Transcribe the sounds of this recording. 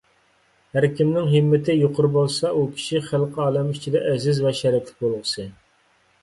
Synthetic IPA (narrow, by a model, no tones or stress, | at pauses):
hæɾkʲʰimnɪŋɦɪmːɪt̪ʰɪjoqʰʊɾbolˠsɑʔukʲʰi̥ʃiχælˠqʰɑːlˠɛmyʃt͡ʃʰid̪ɛʔɛzɪzvɛʃɛɾɪk̪ʰʲlɪ̥k̚ʲbolˠʁəsɨ